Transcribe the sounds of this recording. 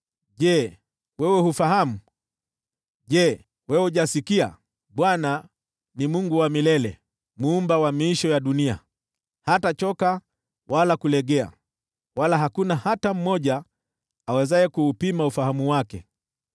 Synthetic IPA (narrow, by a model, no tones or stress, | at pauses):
ʄɛ | wɛwɛhufaɦamu | ʄɛ | wɛwuʄasikia̰ | ɓwana | nimuŋɡuwamilɛlɛ̰ | muːmbawamiiʃɔjaɗunia̰ | hatat͡ʃɔka | walakulɛɠɛa̰ | walaɦakunahatam̩mɔʄaː | wɛzajɛkuːpimaufaɦamuwakɛ̰